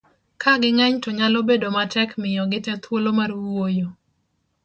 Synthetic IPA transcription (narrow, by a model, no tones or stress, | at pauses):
kʰaɡɪŋɛɲtɔɲalobedomatɛkmɪjɔɡɪtɛt̪wolomarwojo